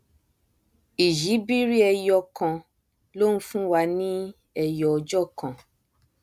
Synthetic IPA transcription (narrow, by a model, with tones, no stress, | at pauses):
i˨ʒi˨˦bi˦ɾi˦ɛ˧jɔ˧kɔ̃˧ | lo˦ñ̩˦fũ˦wa˧nĩ˦ | ɛ˨jɔ˨d͡ʒɔ˦˨kɔ̃˨